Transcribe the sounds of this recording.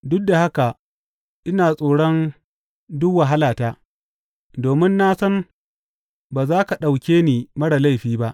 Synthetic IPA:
dʊ˦k̚da˨ha˦ka˨ | ʔɪ˦naː˨sʼoː˨ɽɔ˦n | dʊ˦kwa˨ɦa˦laː˨taː˦ | doː˨mɪ˦nːaː˦sɐ˦n | baː˨zaː˦ka˨ɗa˨wkʲeː˦niː˨mɐ˦ɽa˨la˦jɸiː˦ba˦ʔ

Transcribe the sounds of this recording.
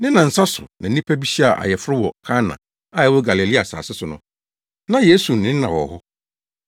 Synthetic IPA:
nɪ̃˦nã˨n̩˨sa˦sʊ˨nã˨˦ĩ˦pʰæ˦bi˦ɕi˦a˨ʔa̰˨jɛ˨fʊ˦ɾɪ˦wɔ˨kʰa˦nã̰˨ | a˦ɛ˨˦wɔ˦ɡa˨li˨li˦a˨sa̰ː˨sɪ˦sʊ˨nʊ̰̃˨ | nã˨je˦su˨n̩˨nɪ̃˦n˦nã̰˨wɔ̰˨hʊ˦

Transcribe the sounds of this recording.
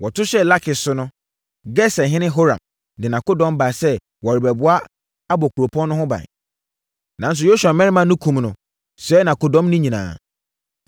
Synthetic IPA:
wɔ˨tʰʊ˦ɕɛ˦la˦kʰɪ˨sʊ˦nʊ̃˦ | ɡɛ˦sɛ˨ɦɪ̃˦nɪ̃˦ɦo˦ɾã̰˨m | dɪ̃˨nã˨ko˦dɔ̃˦m˦ba˨sɛ˦ | wɔ˨ɾɪ˨bɛ˨bʊ˦a˦ | a˦bɔ˨kʰu˨ɾo˨pʰɔ̃˦nːʊ̃˦hʊ̃˦bã̰˨n | nã˨n˦s̬ʊ˨jo˦su˨ã˨mɛ̃˦ɾɪ˦mã˦nʊ̃˦kʰũ˨mnʊ̃˨ | sɛː˨˦nã˨ko˨dɔ̃˦mnʊ̃˦ɲĩ˨nã̰ː˨

